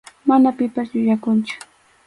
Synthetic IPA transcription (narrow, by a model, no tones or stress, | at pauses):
manapɪpasʎʊʎakʊnt͡ʃʊ̥